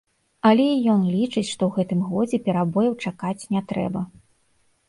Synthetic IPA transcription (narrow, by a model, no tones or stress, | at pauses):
ɐlʲɛijɔnlʲit͡ʂɨt͡sʲʂt̪ɔwɣɛt̪ɨmɣɔd͡zʲɛpʲɛɾabɔjɐwt͡ʂakat͡sʲnʲɛt̪ɾɛ̰bɐ